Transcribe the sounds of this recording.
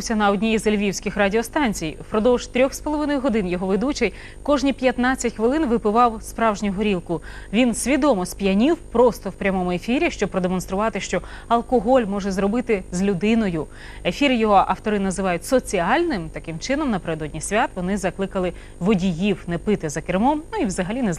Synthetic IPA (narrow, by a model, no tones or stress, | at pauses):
wsʲɐnɐɔdʲnʲiizelʲʋʲiwsʲkʲɪxradʲiɔst̪ɑnʲt͡sʲijpɾɔd̪ɔwʒ̥t̪ɾʲɔxspɔlˠɔʋɪnɔjʊɦɔd̪ɪnjɔɦɔʋɪd̪ut͡ʃɛj | kɔʒnʲipʲjɐt̪nɑt͡sʲːɐtʲxʋɪlˠɪnʋɪpɪʋɑwspɾɑwʒnʲʊɦɔɾʲilˠkʊ | ʋʲinsʲʋʲid̪ɔmɔsʲpʲjɐnʲiwpɾɔst̪ɔwpɾʲɐmɔmʊefʲiɾʲiʃt͡ʃɔb̚pɾɔd̪emɔnst̪ɾʊʋɑt̪ɪʃt͡ʃɔ | ɐlˠkɔɦɔlʲmɔʒɛzrɔbɪt̪ɪzʲlʲʊd̪ɪnɔjʊ | efʲiɾjɔɦɔʔɐft̪ɔɾɪnɐzɪʋɑjʊtʲsɔt͡sʲiɑlʲnɪmt̪ɐkɪmt͡ʃɪn̪ɔmnɐpeɾed̪ɔdʲnʲisʲʋʲat̪ʋɔnɪzɐklˠɪkɐlˠɪ | ʋɔdʲijiwnɛpɪt̪ɪzɐkɪrmɔmnuiwzɐɦɐlʲinɛz